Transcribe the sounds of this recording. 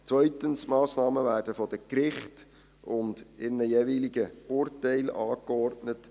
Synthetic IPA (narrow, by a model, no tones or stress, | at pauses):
t͡sʋœʏtənsmɑːsnɑːməvæːrdəfɔd̥əkɾɪχt | ʊndɪnəjeviliɡəʊrtɛɪlɑːkɔrtnət